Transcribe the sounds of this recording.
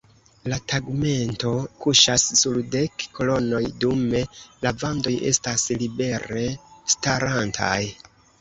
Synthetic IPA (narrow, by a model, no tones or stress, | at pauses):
lataɡme̞nto̞kuʃasːulde̞kːo̞lo̞no̞jdume̞lavando̞je̞̰staslibe̞ɾe̞staɾantʰa̰j